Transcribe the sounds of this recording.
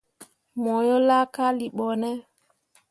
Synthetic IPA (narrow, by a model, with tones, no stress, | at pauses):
mɔ˨jɔ˦la˦ka˦li˨ɓɔ˨nɛ˦